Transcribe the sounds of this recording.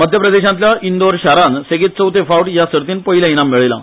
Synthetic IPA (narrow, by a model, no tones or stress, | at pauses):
məd̪ʱjəpɾəd̪eɕãnt̪ljaʔind̪oɾɕaɾanseɡiːt̪̚t͡səwt̪efawʈjasəɾt̪iːnpəɦiljaiñamːiɭela̰